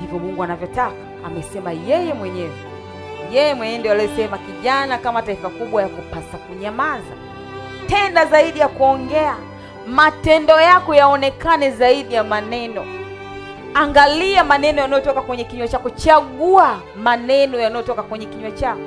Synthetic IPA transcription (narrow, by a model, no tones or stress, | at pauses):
hivjɔmuŋɡuanavjɔtakaːmɛsɛmajɛjɛmwɛɲɛzɛ | jɛjɛmwɛɲɛndɔaliɔsɛmakiʄanakamataifakuɓwajakupasakuɲamaza̰ | tɛndazaiɗijakuɔŋɡɛa | matɛndɔjakɔjaɔnɛkanɛzaiɗijamanɛnɔ | aŋɡaliamanɛnɔjanajɔtɔkakwɛɲɛkiɲwɛt͡ʃakɔt͡ʃaɠua | manɛnɔjanajɔtɔkakwɛɲɛkiɲwɛt͡ʃakɔ